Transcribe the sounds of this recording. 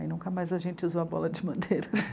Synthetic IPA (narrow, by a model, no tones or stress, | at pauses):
ḭnũkɐmajzɐʒẽnt͡ʃɪuzoɐbɔ̰lɐd͡ʒɪmɐ̃d̪ejɾɐɛ